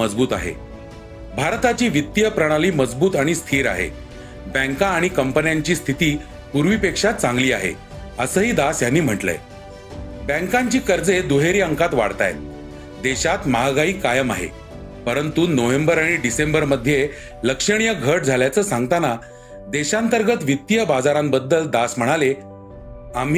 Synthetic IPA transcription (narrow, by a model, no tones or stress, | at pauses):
məd͡zbuːt̪a̰ɦḛ | bʱaɾt̪at͡ɕiːʋit̪ːijəpɾəɽ̃aliːməd͡zbuːt̪aɽ̃ist̪ʰiːɾa̰ɦḛ | bə̃ŋkãːɽ̃ikəmpənjaɲt͡ɕiːst̪ʰit̪iː | puɾʋipekʂat̪̚t͡sãŋɡliːaɦḛ | əsəːɦiːd̪asjanːiːm̤əʈlə̰j | bɛ̃ŋkãɲt͡ɕiːkəɾd͡zed̪uɦeɾiə̃ŋkat̪ʋa̰ɽt̪a̰j | d̪eɕat̪maɦaɡaiːkajəma̰ɦḛ | pəɾənt̪unoʋembəɾaɽ̃iɖisembəɾməd̪ʱːje | ləkʂəɽ̃ijəɡʱəʈ̚d͡zʱaljat͡səːsãŋɡt̪ana | d̪eɕant̪əɾɡət̪ʋit̪ːijəbad͡zaɾãmbəd̪ːəld̪asm̤əɽ̃ale | am̤